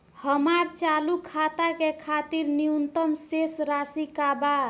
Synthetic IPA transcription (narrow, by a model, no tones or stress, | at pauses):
həmaɾt͡ʃalukʰat̪akekʰat̪iɾniunt̪əmsesɾasikaba